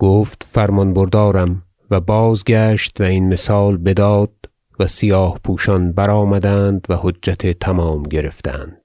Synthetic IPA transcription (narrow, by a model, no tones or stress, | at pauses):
ɡ̥oːft̪fæɾmɒnboɾd̪ɒːɾæm | væbɒːzɡæʃt̪væinmesɒːlbe̞d̪ɒːd̪̥̚ | væsijɒːhpʰuːʃɒnbæɾɒːmæd̪ænd̪væhoːæt̪ʰet̪ʰæmɒːmɟe̞ɾe̞ft̪æ̰nd̪̥